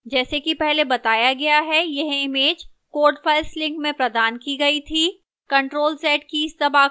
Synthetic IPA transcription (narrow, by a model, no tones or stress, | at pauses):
d͡ʒɛːsekipɛɦlebɐt̪aːjaɡɐjaɦɛjɐɦɪmeːd͡ʒ | koːɾɖfʰɐlslɪ̃ŋkmẽpɾɐd̪aːnkiɡɐit̪ʰiː | kɐ̃ɳʈɾoːlsɛːʈkiɪst̪ɐbaː